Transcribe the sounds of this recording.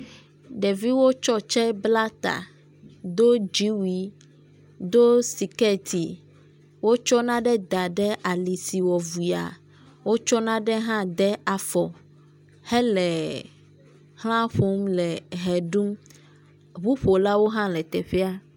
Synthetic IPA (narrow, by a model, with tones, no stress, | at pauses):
ɖɛ˨vi˦wo˦t͡ʃɔ˦t͡ʃɛ˦bla˦t̪a̰˨ | d̪o˦d͡ʒi˦wi˦ | d̪o˦si˨kɛ˦t̪ʰi˨ | wo˦t͡ʃɔ˦nã˦ɖɛ˦d̪a˨ɖɛ˦ʔa˨li˨si˨wɔ˨vu˨i˨a̰˨ | wo˦t͡ʃɔ˦nã˦ɖɛ˦ɦã˦d̪ɛ˦a˨fɔ˨ | hɛ˦lɛ˨ | hl̃ã˦ɸo˦mlɛ˨ɦɛ˨ɖu˦m | βu˦ɸo˨la˦wo˦ɦã˦lɛ˨t̪ɛ˨ɸɛ˦a˦